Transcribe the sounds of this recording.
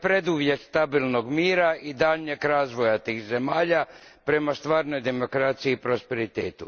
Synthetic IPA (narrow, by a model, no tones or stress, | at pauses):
pɾe̞d̪uʋje̞t̪st̪abilˠno̞ɡmiːɾaʔid̪aʎɲekɾaːzʋo̞jat̪iːxze̞maːʎa | pɾe̞mast̪ʋaːɾno̞jd̪e̞mo̞kɾat̪sijiːpɾo̞spe̞ɾit̪eːt̪u